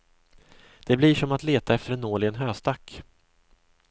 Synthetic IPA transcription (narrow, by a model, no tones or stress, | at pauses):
d̪̥ɛblɪʂɔmat̪leːt̪aɛft̪əɾɛnoːɭɪɡənɦøːst̪ak